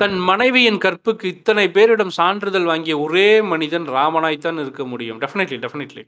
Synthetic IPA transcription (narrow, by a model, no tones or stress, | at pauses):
t̪ɐnmɐnɐɪʋɐjɪnkɐrpːɯkːɯɪt̪ːɐnɐɪpeːɾɪɽɐmsaːɳɖrɯðɐlʋaːŋɡɪjɐɔreːmɐnɪðɐnɾaːmɐnaːjt̪ːaːnɪɾɯkːɐmʊɽɪjɯmɖɛfɪnɪʈliɖɛfɪnɪʈlḭ